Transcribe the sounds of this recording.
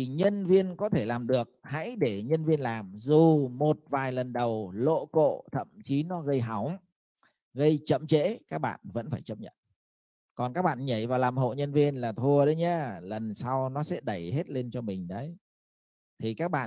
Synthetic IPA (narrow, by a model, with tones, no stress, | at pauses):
i˩ɲə˧nvi˧ənkɔ˨˦t̪ʰe˧˩laː˨˩mɗɨ˨˩ək̚ha̰˧˥jɗe˧˩ɲə˧nvi˧ənlaː˨˩mzu˨˩mo˨˩t̚vaː˨˩jlə˨˩nɗə˨˩wlo̰˧˨ko̰˧˨t̪ʰə̰˧˨mt͡ɕi˨˦nɔ˨˦ɣə˧jɦa˨˦wŋ͡m | ɣə˧jt͡ɕə̰˧˨mt͡ɕḛ˧˥kaː˦˥k̚ɓa̰ː˧˨nvə̰˧˥nfaː˧˩jt͡ɕə˦˥p̚ɲə̰˧˨n | kɔ˨˩nkaː˦˥k̚ɓa̰ː˧˨nɲə˧˩jvaː˨˩wlaː˨˩mɦo̰˧˨ɲə˧nvi˧ənlaː˨˩t̪ʰu˧əɗə˨˦jɲə˨˦lə˨˩nsa˧wnɔ˨˦sɛ̰˧˥ɗə˧˩jɦe˦˥t̚le˧nt͡ɕɔ˧mï˨˩ŋ̟ɗə˨˦j | t̪ʰi˨˩kaː˦˥k̚ɓa̰ː˧˨